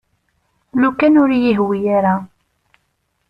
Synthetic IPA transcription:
nukːænʊɾajiɦwijaɾa

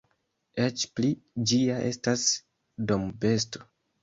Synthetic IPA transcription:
et͡ʃplid͡ʒiaʔe̞̰stas | do̞mbe̞sto̞̥

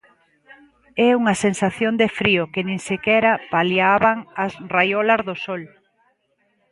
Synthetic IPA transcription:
ɛuŋɐsensaθjond̪efɾiʊkɪnẽŋsekɛɾɐpaljaβaŋɐsrajɔlɐzðʊsɔl

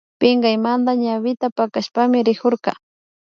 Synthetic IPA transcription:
pɪŋɡajmand̪aɲaβɪt̪apakaʃpamɪɾɪkoɾkɑ̰

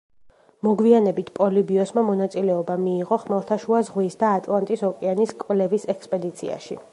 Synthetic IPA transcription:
mɔɡwianɛbit̪ʰpʼɔlibiɔsmamɔnat̪sʼilɛɔbamiːʁɔχmɛlˠt̪ʰaʃuazʁwisd̪aːt̪ʼlˠant̪ʼisɔkʼɛaniskʼvlɛvisɛkspʼɛd̪it̪sʰḭa̰ʃḭ

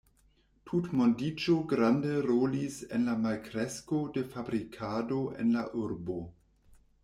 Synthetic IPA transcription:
tʰutmondit͡ʃoɡɾandeɾolisḛnlamalkɾesko̞de̞fabɾikʰadoʔḛnlaʔuɾbo

